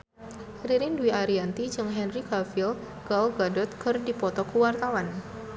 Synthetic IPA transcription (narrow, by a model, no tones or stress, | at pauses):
ɾiɾinduiʔaɾiant̪i̥d͡ʒɨŋɦɛnrikafil | ɡ̥alɡadɔt̪̚kərdipɔt̪ɔkuwart̪awan